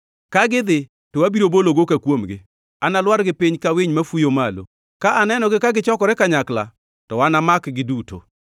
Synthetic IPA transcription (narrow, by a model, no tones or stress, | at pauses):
kaɡɪd̪ɪ | towabiɾoboloɡokakwomɡɪ̰ | analwaɾɡɪpiɲkawiɲmafujomalo̰ | kaʔanɛnɔɡɪkaɡɪt͡ʃɔkɔɾɛkaɲakla̰ | tɔwanamakɡɪduto̰